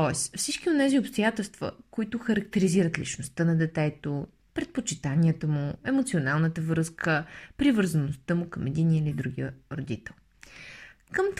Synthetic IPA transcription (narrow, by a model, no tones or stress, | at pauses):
ɔɛsfsit͡ʃkionɛziopst̪ojat̪ɛlˠst̪və̰koit̪ʊxəɾəkt̪ɛɾiziɾət̪lḭt͡ʃnost̪ənɐd̪ɛt̪ɛt̪o | pɾɛt̪̚pot͡ʃit̪aniət̪əmʊɛmot̪sionalˠnət̪əvɾɤskəpɾivəɾzənost̪əmʊkəmɛd̪iniəilid̪ɾuɡ̟iəɾod̪it̪ɛlˠ | kəmt̪